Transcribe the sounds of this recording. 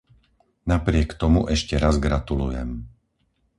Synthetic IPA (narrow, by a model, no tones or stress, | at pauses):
napɾɪɛkt̪ɔmuʔɛʃcɛɾazɡɾat̪ulujɛ̰m